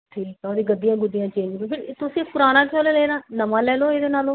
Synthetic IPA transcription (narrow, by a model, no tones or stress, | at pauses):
ʈʰiːkt̪ɔːd̪iːɡəd̪ijãːɡʊd̪ijãːt͡ʃẽːɲd͡ʒbẽːpʰɪɾt̪ʊsepʊɾaːnaːt͡ʃʰoːleːleːɾãːnəmãːlɛːloːeːd̪eːnaːlõː